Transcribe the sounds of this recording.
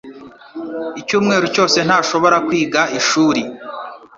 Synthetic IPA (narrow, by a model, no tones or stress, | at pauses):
icuːmŋe̞ːɾuco̞ːse̞n̥haːʃo̞βo̞ɾakwiːɡaiʃuːɾi